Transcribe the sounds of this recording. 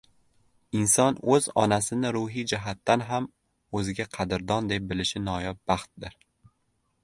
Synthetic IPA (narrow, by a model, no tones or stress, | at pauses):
ɪnsɒnɵzɒ̰nasɪnɪɾuɦid͡ʒaɦat̪ːanɦam | ɵzɪɡʲaqʰɑd̪ɪɾd̪ɒnd̪e̞p̚bɪlɪʃɪnɒjɒp̚bɑχt̪̚d̪ɪɾ